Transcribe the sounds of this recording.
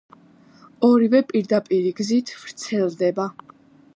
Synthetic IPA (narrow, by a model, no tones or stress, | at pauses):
ɔɾivɛpʼiɾd̪apʼiɾiɡzit̪ʰvɾt̪sʰɛlˠd̪ɛba